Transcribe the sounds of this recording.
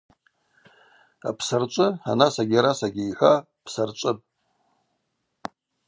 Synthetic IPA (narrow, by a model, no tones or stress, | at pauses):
apʰsart͡ʃʷʼɨa̰nasaɡʲaɾasaɡʲiiħʷa | pʰsart͡ʃʷʼɨpʼ